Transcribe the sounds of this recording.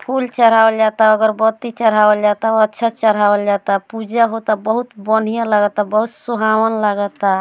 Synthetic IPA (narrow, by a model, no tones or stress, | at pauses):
pʰult͡ʃəɾ̤aəld͡ʒat̪aəɡəɾbət̪it͡ʃəɾ̤awəld͡ʒat̪aətːʃʰat͡ʃəɾ̤awəld͡ʒat̪apud͡ʒaɦot̪abəɦut̪bən̤ijãlaɡət̪abəɦut̪suɦawənlaɡət̪a